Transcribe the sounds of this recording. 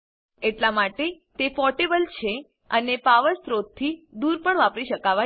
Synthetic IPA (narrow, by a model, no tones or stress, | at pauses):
eʈlamaʈe | t̪efɔʈebəlt͡ʃʰe | ənepaʋəɾsɾot̪̚t̪ʰːid̪uɾpəɳʋapɾiʃəkaʋa